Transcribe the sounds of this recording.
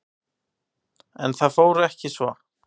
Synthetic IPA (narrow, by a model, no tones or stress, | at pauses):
ɛ̰nθaðfoːwɾɛhcɪsvɔ